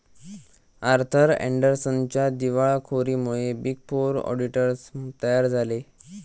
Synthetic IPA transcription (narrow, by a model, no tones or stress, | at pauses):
aɾt̪ʰəɾɛ̰ɳɖəɾsənt͡ɕjad̪iʋaɭkʰoɾiːmuɭebik̚puɾɔ̰ɖiʈəɾst̪əjaɾd͡zʱale